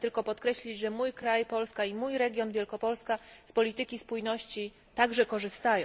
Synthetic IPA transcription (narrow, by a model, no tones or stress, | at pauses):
t̪ɘlkɔpɔt̪kɾɛɕlʲid͡ʑʐɛmujkɾajpɔlskaimujɾɛɡʲjɔnvʲjɛlkɔpɔlskaspɔlʲit̪ɘkʲispujnɔɕt͡ɕi | t̪aɡʐɛkɔʐɘst̪ajɔ̃